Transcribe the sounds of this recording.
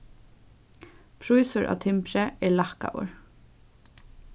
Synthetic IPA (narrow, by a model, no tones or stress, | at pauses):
pʰɾujsʊɹʔa̰ːt̪ʰɪmpɾɛɛɹlahka̰wə̰ɹ